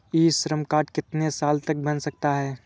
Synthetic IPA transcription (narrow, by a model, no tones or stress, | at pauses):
iːʃɾəmkaːʈkɪt̪nesaːlt̪ɐk̚bɐnsɐk̚t̪aɦɛː